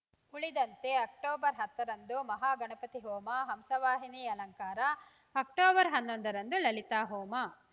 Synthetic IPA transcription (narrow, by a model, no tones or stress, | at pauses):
uɭid̪ɐnt̪e̞ɐk̚ʈoːbɐɾɦɐt̪ːɐɾɐnd̪umɐɦaːɡɐɳɐpɐt̪iɦoːmɐɦɐmsɐʋaːɦiniːɐlɐŋkaːɾɐ | ɐkʈoːbɐɾɦɐnːond̪ɐɾɐnd̪ulɐlit̪aːɦoːmɐ